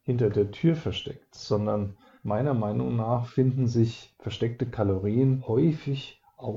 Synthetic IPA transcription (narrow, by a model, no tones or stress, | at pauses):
hɪntɐdeːɐtʰyːɐfɛɐʃtɛktz̥ɔndɐn | maɪnɐmaɪnʊŋnaːχfɪndn̩zɪçfɛɐʃtɛk̚təkʰaloʁiːənhɔʏfɪç | ʔaʊ